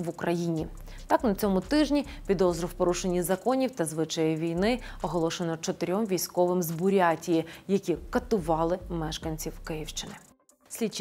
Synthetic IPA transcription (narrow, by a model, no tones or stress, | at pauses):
ʋʊkɾɐjinʲi | t̪ɑknɐt͡sʲɔmʊt̪ɪʒnʲi | pʲid̪ɔzɾɔwpɔɾuʃenʲːizɐkɔnʲiwt̪ɐzʋɪt͡ʃɐjɪʋʲijnɪɔɦɔlˠɔʃenɔt͡ʃɔt̪ɪɾʲɔmʋʲijsʲkɔʋɪmzbʊɾʲɑtʲijijɐkʲikɐt̪ʊʋɑlˠɪmɛʃkɐnʲt͡sʲiwkɪjiwʃt͡ʃɪnɪ | sʲlʲit͡ʃ